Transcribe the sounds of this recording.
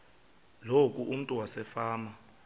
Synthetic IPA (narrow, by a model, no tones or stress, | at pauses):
lokʼuʔum̩tʼuwasɛfaːma